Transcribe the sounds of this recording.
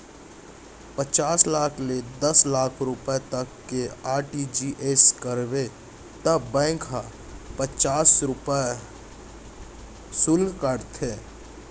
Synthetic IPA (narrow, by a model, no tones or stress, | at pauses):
pət͡ʃaːslaːkʰled̪ɐslaːkʰɾʊpət̪əkːeaːɾʈid͡ʒiʔeskəɾbe | t̪əbɛ̃ːkʰɦa | pət͡ʃaːsɾʊpə | sʊlkəɾt̪ʰeː